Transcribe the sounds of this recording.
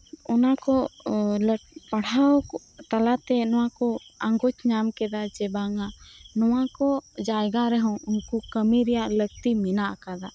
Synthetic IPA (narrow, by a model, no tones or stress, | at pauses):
ɔnakɔləpaɽ̤awkɔ | t̪alat̪ɛnɔ̃wakɔaŋɡɔt͡ʃɲamkɛd̪ad͡ʒɛbaŋanɔwakɔd͡ʒajɡaɾɛɦɔ̃unkukəmiɾɛjaʔləɡ̚t̪iminaʔakad̪a